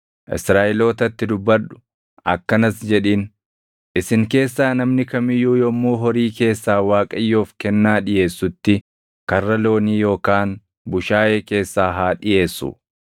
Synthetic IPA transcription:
ʔɪ̰sɾaːʔɛlo̞ːt̪ɐt̪ːɪd̪ʊbːɐɾᶑʊ̥ | ʔɐ̰kːɐnɐsd͡ʒɛᶑiːn | ʔɪsɪŋke̞ːsːaːnɐmnɪkɐmɪjuːjɔmːuːɦɔɾiːke̞ːsːaːwaːkʼɐjːoːfkɛnːaːᶑɪje̞ːsːʊt̪ːɪ | kɐrːɐlo̞ːniːjo̞ːkaːn | bʊʃaːʔeːke̞ːsːaːɦaːᶑɪje̞ːsːʊ̰

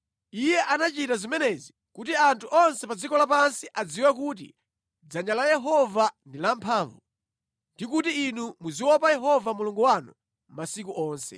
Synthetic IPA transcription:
ijɛʔanat͡ʃitazimɛnɛzi | kutiantʰuʔɔnsɛpad͡zikɔlapansiʔad͡ziwɛk̬uːt̬ḭ | d͡zaɲalajɛɦɔvandilampʰaːɱvu | ndik̬utiːnumuziwɔpajɛɦɔvamuluŋɡuwanṵ | masik̬uʔɔːnsɛ̰

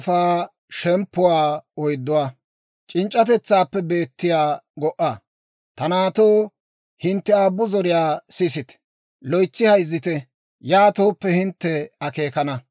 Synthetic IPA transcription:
faː | ʃɛmpːʊwaːɔjd̪ːʊwaː | t͡ʃʼɪnt͡ʃʼːɐt̪ɛt͡sːaːpːɛbe̞ːt̪ːɪjaːɡɔʔa | t̪ɐnaːt̪oː | hɪnt̪ːɛaːbːʊzɔɾɪjaːsɪsɪt̪ɛ̥ | lɔjt͡sːɪhɐjzːɪt̪ɛ | jaːt̪o̞ːpːɛhɪnt̪ːɛɐke̞ːkɐnɐ

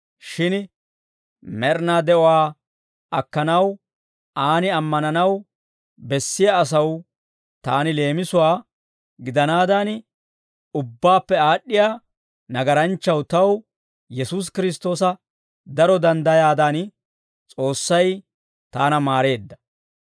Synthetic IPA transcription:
ʃɪn | mɛɾnaːd̪ɛʔɔwaː | ʔɐkːɐnɐw | aːnɪɐmːɐnɐnɐw | bɛsːɪjaːs̬ɐw | t̪aːnɪle̞ːmɪsʊwaː | ɡɪd̪ɐnaːd̪an | ʊbːaːpːɛaːɗːɪjaː | nɐɡɐɾɐnt͡ʃːɐwt̪ɐw | jɛsuːs̬kɪɾɪs̬t̪o̞ːsɐ | d̪ɐɾɔd̪ɐnd̪ɐjaːd̪an | t͡sʼo̞ːsːɐj | t̪aːnɐmaːɾe̞ːd̪ːɐ̥

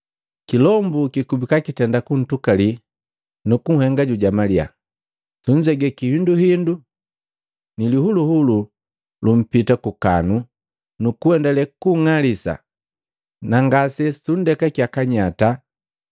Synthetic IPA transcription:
kilɔmbukikubikakitɛndakun̩tukali | nukuŋ̩hɛŋɡaɟuɟamalia̰ | suɲd͡ʒɛɡɛkihinduhindu | nilihuluhulu | lum̩pitakuka̰nu | nukuɛndɛlɛkuŋalisa̰ | naŋɡasɛsundɛkakjakaɲata

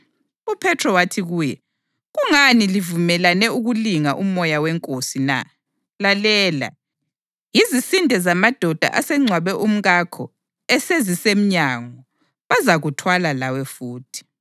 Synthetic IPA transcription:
upʰɛtʰrɔwatʰiɣuːjɛ | ɣuŋanilivumɛlanɛuɣuliŋaʔumɔjawɛŋkʼosina̰ | lalɛːla̰ | jizisindʱɛzamad̥ʱɔd̥ʱa̰ʔasɛŋ͡ǀʱwaβɛʔum̩ɣakʰɔ | ɛsezisem̩ɲaŋɔ | βazaɣutʰwalalawɛfuːtʰi̥

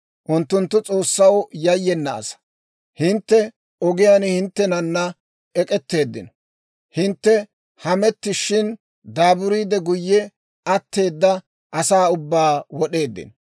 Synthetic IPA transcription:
ʔʊnt̪ːʊnt̪ːʊt͡sʼo̞ːsːɐwjɐjːɛnːɐ̰ːsɐ̥ | hɪnt̪ːɛ | ɔɡɪjaːnhɪnt̪ːɛnɐnːɐ | ɛkʼɛt̪ːe̞ːd̪ːɪ̰nɔ̥ | hɪnt̪ːɛ | hɐmɛt̪ːɪʃɪn | d̪aːbʊɾiːd̪ɛɡʊjːɛ | ʔɐt̪ːe̞ːd̪ːɐ | ʔɐsaːʊbːaːwɔɗe̞ːd̪ːɪ̰nɔ

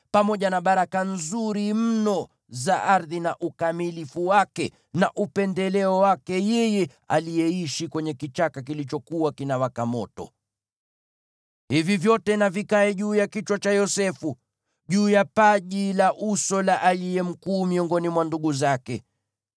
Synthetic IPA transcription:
pamɔʄanaɓaɾakanzuɾim̩nɔ | zaʔaɾðinaʔukamilifuwakɛ | naʔupɛndɛlɛɔwakɛjɛjɛ | a̰lijɛiʃikwɛɲɛkit͡ʃakak̬ilit͡ʃɔkuwakinawakamɔ̰tɔ̰ | hivivjɔtɛnavikaɛʄuːjakit͡ʃwat͡ʃajɔsɛfu | ʄuːjapaʄilaʔusɔlaʔalijɛm̩kuːmiɔŋɡɔnimwanduɠuzakɛ

